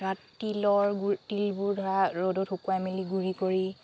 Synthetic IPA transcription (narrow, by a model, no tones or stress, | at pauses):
ɹatːilɔɹɡtilbʊɹdʱɔɹaɹodɔtʰokuajmiliɡuɹikoɹi